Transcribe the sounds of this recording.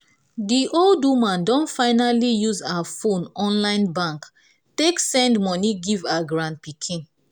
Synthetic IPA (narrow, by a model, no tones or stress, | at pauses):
diʔoldumãndɔ̃nfaɪnalijuzaafõnɔ̃nlãɪ̃nbãŋk | teksɛ̃ndmɔniɡivaɡɹãnt̚pikʰĩn